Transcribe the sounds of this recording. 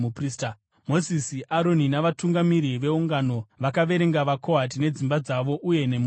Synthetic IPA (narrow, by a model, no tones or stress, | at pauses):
upriːsta | mo̞zisiʔaɾo̞ninaʋatuŋɡamiɾiʋe̞uŋɡano̞ʋakaʋe̞ɾe̞ŋɡaʋako̞ɦatine̞d͡zimbad͡zaʋo̞ʔuje̞ne̞m